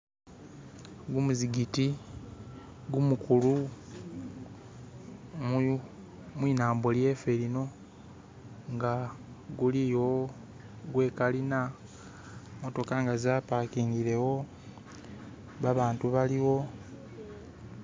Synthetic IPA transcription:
ɡumuziɡiti | ɡumukulu | mwiːnaːmbo̞lje̞ːfe̞lino̞ | ŋɡa | ɡulijo̞ | ɡwe̞ːkalina | moto̞kaŋɡazaːpakiːŋɡiɾe̞wo̞ | βaβaːntuβaliwo̞

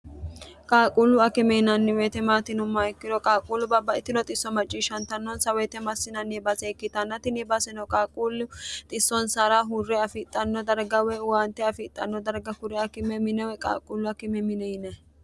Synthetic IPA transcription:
kʼaːkʼulːʊɐkɪmɛɪnɐnːɪwɛːt̪ɛmaːt̪ɪnʊmːɐɛkːɪd̪ɔkʼaːkʼuːlːʊbɐbːɐɪt̪ːɪnɔt̪ʼɪsːɔmɐt͡ʃʼːiːʃɐnt̪ɐnːɔnsɐwɛt̪ɛmɐsːɪnɐnːɛbɐsɛkːɪt̪ɐnːɐt̪ɪnɛbɐsɛnɔkʼaːkʼulʊt̪ʼɪsːɔnsaɾaɦʊrːɛɐfɪt̪ʼːɐnːɔd̪ɐɾɡɐwɛwant̪ɛɐfɪt̪ʼːɐnːɔd̪ɐɾɡɐhʊɾɛɐkɪmɛmɪnɛwɛkʼa̰ːkʼʊlːʊɐkɪmɛmɪnɛjnɛ

